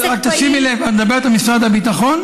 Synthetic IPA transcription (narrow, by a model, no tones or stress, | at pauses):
at̪ːasimilevaned̪abeet̪amisʁad̪habit̪aχo̞n